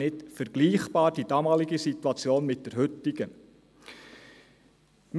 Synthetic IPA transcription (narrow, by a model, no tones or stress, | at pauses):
ɪtfəɾɡ̥liːχb̥ɑːɾd̥id̥ɑːmɑːliɡəsit̪uɑt͡sjoːnmɪt̚d̥ɛɾɦʏtɪɡ̥ə | m